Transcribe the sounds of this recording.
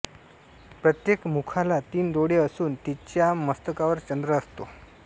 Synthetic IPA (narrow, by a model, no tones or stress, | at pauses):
pɾət̪jekmukʰalat̪iːnd̪oɽeəsuːnt̪it͡ɕjaməst̪əkaʋəɾt͡ɕənd̪ɾəːst̪o